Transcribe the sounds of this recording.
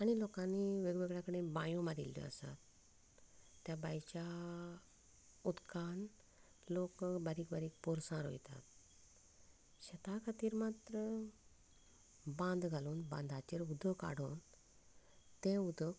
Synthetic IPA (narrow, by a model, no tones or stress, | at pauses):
aɽ̃ilokãnːiʋeɡʋeɡɭjakəɽ̃ẽbãjũmaɾḭlːjɔ̰a̰sa̰t̪ | jabajt͡ɕa | ud̪kʰan | lokbaɾiːkbaɾiːk̚poɾsãɾo̰jt̪a̰t̪̚ | ɕət̪akʰat̪iːɾmat̪ɾə | bãnd̪ɡʱaluːnbã̰nd̪ʱat͡ɕeɾud̪əka̰ɽuːn | t̪ẽud̪ok